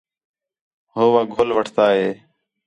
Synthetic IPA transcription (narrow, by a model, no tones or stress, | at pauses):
ɦoːʋaːɡʱoːlʋəʈʰt̪aːɦeː